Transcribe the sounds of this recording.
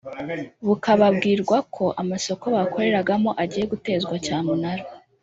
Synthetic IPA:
βukaβabɡiːɾɡwakʰo̞ʔamaso̞ko̞βako̞ɾe̞ɾaɡamo̞ʔaɟiːje̞ɡute̞ːzɡwacaːmunaɾo

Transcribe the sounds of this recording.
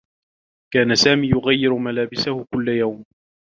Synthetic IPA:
kaːnasaːmiːjʊɣajːɪɾʊmalaːbɪsahʊkʊlːajawm

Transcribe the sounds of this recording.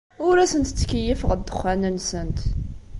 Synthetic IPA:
ʊɾæsənt̪t͡sːə̥kːəjəfəʁəd̪ːəχːænənsənt̪

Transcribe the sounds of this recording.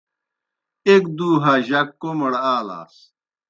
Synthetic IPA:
ek̚d̪uːɦaːʑɐkːomɐɽaːla̰ːs

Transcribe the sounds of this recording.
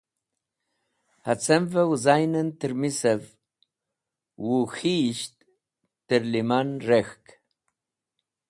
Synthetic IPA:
hat͡sɛmvəwuzajnənt̪əɾmisev | wuxiːʃt̪ | t̪əɾlimanɾexk

